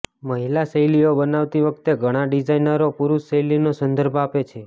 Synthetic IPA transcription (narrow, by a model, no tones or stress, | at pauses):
məɦilasəjliobənaʋt̪iʋək̚t̪eɡʱəɽ̃aɖid͡ʒainəɾopuɾusəjlinosənd̪ʱəɾbʱoapet͡ʃʰe